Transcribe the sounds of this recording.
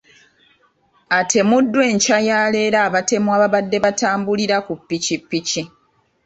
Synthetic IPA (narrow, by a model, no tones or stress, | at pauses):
atʰe̞mudːwe̞ːɲcajaːle̞ːɾaːβate̞mwaːβaβadːe̞βataːmbuliɾakupːicipːici